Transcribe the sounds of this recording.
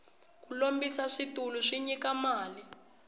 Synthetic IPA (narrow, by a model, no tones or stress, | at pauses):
kulombisaʂituluʂiɲikamaːli